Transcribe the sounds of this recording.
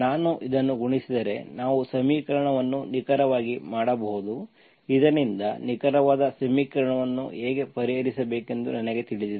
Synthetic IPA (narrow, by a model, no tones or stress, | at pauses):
naːnuʔid̪ɐnːuɡuɳisid̪ɐɾe̞naːʋusɐmiːkɐɾɐɳɐʋɐnːunikɐɾɐʋaːɡimaːɽɐbɐɦud̪u | id̪ɐnind̪ɐnikɐɾɐʋaːd̪ɐsɐmiːkɐɾɐɳɐʋɐnːṵeːɡe̞pɐɾiɦɐɾisɐbeːke̞nd̪unɐnɐɡe̞t̪iɭid̪ii